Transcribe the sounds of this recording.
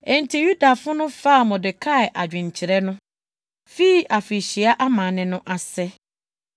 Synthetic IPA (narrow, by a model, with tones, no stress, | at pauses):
ɛ̃˨n̩˨tʰi˨ju˦da˨fʊ̃˦nʊ̃˦fa˦˨mɔ̃˨dɪ˨kʰa˦˨ɛ˨ʔa˨d͡ʑᶣɪ̃˨ɲ˨t͡ɕʰɪ˨ɾɛ˦nʊ̃˦ | fi˦i˦ʔa˨fɾi˨ɕi˨a˦ʔa˦mã˨nɪ̃˨nʊ̃˦ʔa˨sɛ˦